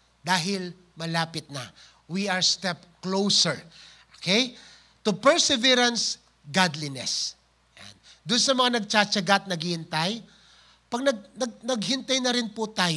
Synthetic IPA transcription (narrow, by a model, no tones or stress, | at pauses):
d̪aːɦɪl | mɐlaːpɪt̪̚nɐ | wiaɹst̪ɛp̚klowsɛɹʔokʰej | t̪ʊpɛɹsɛvɛɾɐns | ɡad̪linɛ̰s | ja̰nd̪ʊnsɐmɐŋanɐɡ̚t͡ʃat͡ʃɐɡat̪̚nɐɡhɪhɪnt̪aj | pɐɡ̚nɐɡ̚nɐɡ̚nɐɡhɪnt̪ajnɐɾɪnpʊt̪aːj